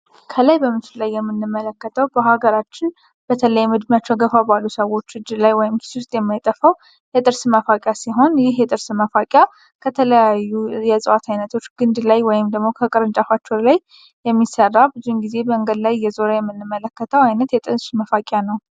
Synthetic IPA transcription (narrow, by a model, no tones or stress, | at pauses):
kʰəlajbəmɨt͡ʃɪllajːɛmːɨnːɨmːələkːət̪ʰəwbəhaɡəɾat͡ʃːɪn | b̥ət̪ʰələjɛmɨd̪mjat͡ʃːɛwɡəfabalːusəwo̞t͡ʃːɨd͡ʒlajwɔjɪmkʰi̥swʊst̪ʼjɛmːajt̪ʼəfəw | jɛt̪ʼɨɾsməfakʼjasiɦo̞njɪɦjɛt̪ʼɨɾsməfakʼja | kʰət̪ʰələjajːujɛsʼɨwat̪ʰajnət̪ʰo̞t͡ʃːɡ̥ɨnd̪lajwɔjɪmd̪əɡmo̞kʰəkʼɨɾɨnt͡ʃʼafat͡ʃːolaj | jɛmːisərːabɨzunɡize̞bəŋɡəd̪lajːɛzoɾajɛmːɨnːɨmːələkːət̪ʰəwajnət̪jɛt̪ʼɨɾsməfakʼjanəw